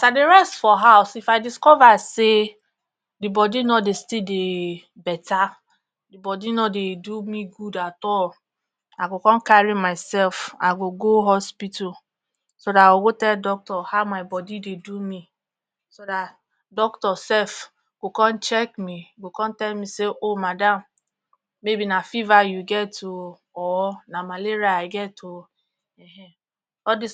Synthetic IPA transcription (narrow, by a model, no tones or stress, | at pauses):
sadeɹɛstfɔɦaʊsifaɪdiskɔvase | dibɔdinɔdestide | bɛtʰa | dibɔdinɔdedumiɡudatɔl | aɡokɔ̃nkaɹimaɪsɛlfa̰ɡoɡoɦɔspitul | sodaoɡotɛldɔk̚tɔhamaɪbɔdidedumi | soda | dɔktɔsɛf | ɡ̥okɔn̩t͡ʃɛkmiɡokɔn̩tɛlmiseʔomadam̩ː | ebinafivajuɡɛto | ɔnamaleɾiaaɪɡɛto | eɦe | ɔdi